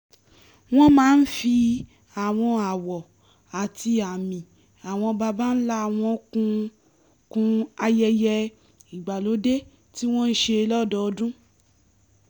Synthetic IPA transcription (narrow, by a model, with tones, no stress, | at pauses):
w̃ɔ̃˦mãː˨˦n̩˦fi˧ | a˨w̃ɔ̃˧a˨wɔ˨ | a˨ti˧a˨mĩ˨ | a˨w̃ɔ̃˧ba˧ba˦n̩˦la˦˨w̃ɔ̃˧kũ˧ | kũ˧a˧jɛ˧jɛ˧ | i˨ɡ͡ba˨lo˨˦de˦ | ti˦w̃ɔ̃˦n̩˦ʃe˧lɔ˦dɔ˨˧dũ˦